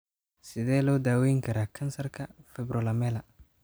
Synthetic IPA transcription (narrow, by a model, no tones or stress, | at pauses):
sɪðɛːlɔːd̪aːwɛːjŋkʰɐɾaːkʰɐnsɐrkʰɐfɛbɾɔlɐmɛːlɐ